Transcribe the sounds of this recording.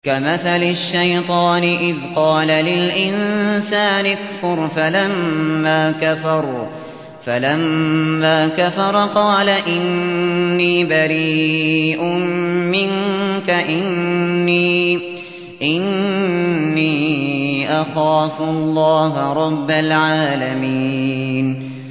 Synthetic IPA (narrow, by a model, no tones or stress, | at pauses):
kamaθalɪʃːajt̪ˤɑːnɪʔɪðqɑːlalɪlʔɪnsaːnɪkfʊɾˤfalamːaːkafɑɾˤː | falamːaːkafɑɾˤqɑːlaʔɪnː | iːbaɾiːʔʊmmɪŋkaʔɪnːiː | ʔɪnː | iːʔaxaːfʊlˤːɑːɦɾˤɑbːalʕaːlamiːn